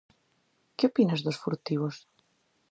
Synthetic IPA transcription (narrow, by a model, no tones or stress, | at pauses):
kɪopinɐzðosfuɾt̪iβos